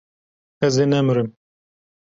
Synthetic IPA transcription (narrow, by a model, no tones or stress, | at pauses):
ɛzenɛmɨɾɨm